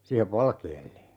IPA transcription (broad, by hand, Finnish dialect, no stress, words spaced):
siːheʋ ʋɑlkeːlːe